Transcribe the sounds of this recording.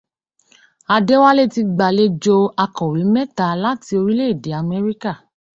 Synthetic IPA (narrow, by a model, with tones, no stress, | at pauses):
a˧de˦wa˦le˦ti˧ɡ͡ba˨le˦d͡ʒo˧a˧kɔ̃˨ɾĩ˨˦mɛ˦ta˨˧la˦ti˧o˧ɾi˦le˦i˦˨de˨˦a˧mɛ˦ɾi˦ka˦˨